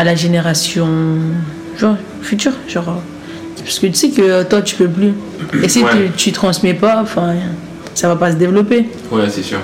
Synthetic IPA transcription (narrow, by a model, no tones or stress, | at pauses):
alaʒeneʁasjɔ̃ | ʒɔ̃ʁ | fyt̪yʁʒɑ̃ʁ | pḁsə̥kət̪y̥sɛkət̪wat̪y̥pøp̬ly | esit̪yt̪yt̪χɑ̃smɛpaɔ̃fɛ̃ | savapasəd̪evlɔpe | wɛsesy̰ʁ